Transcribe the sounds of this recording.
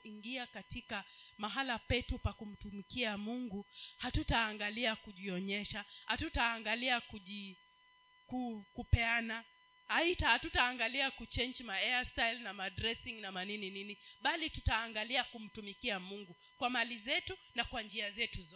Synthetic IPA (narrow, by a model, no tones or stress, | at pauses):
iŋɡiakatikamaɦalapɛtupakum̩tumikiamuŋɡuhatutaːŋɡaliakuʄiɔɲɛʃahatutaːŋɡaliakuʄi | kukupɛana | haitahatutaːŋɡaliakut͡ʃɛnd͡ʒmaɛasajlnamadɾɛsiŋnamaninininiɓalitutaːŋɡaliakum̩tumikiamuŋɡu | kwamalizɛtu | nakwand͡ʒiazɛtuzɔ